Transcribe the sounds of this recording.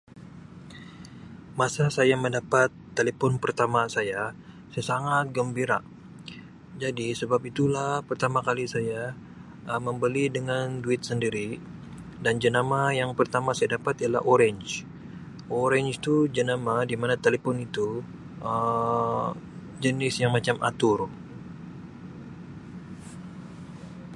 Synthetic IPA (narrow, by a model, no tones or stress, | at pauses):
masasajaməndapat̪ːelepɔnpərt̪amasaja | sajasaŋat̪̚ɡəmbiɾa̰ | d͡ʒadisəbap̚it̪ulahpərt̪amakalisaja | əməmbəlidəŋanduɪt̪̚səndiɾi | dand͡ʒənamajaŋpərt̪amasajadapat̪iala̰ɦoɾɛɲd͡ʒ | ʔoɾɛɲd͡ʒt̪ud͡ʒənamadimanat̪elepɔnit̪u | ʔə | d͡ʒənɪsjaŋmat͡ʃama̰t̪ʊr